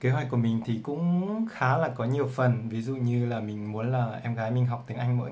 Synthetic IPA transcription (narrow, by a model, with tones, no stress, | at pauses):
keː˨˦ɦwa˨˩kːu˧˩əmï˨˩ŋ̟t̪ʰi˨˩kʊ̰˧˥ŋ͡mxaː˨˦laː˨˩kɔ˨˦ɲi˨˩əwfə˨˩nvi˨˦zṵ˧˨ɲɨ˧laː˨˩mï˨˩ŋ̟mu˨˦ənlaː˨˩ʔɛ˧mɣaː˨˦jmï˨˩ŋ̟ɦa˨˩wk͡p̚t̪i˨˦əŋʔa˧jŋ̟məː˨˦